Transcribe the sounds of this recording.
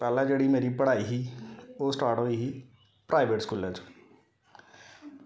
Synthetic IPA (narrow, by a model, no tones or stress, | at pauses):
pɛːlãːd͡ʒeːɽiːmeːɾiːpəɽaːiɦiːoːsʈaːɾʈoːiːɦiː | pɾʔaːɪʋeːʈskuːlət͡ʃ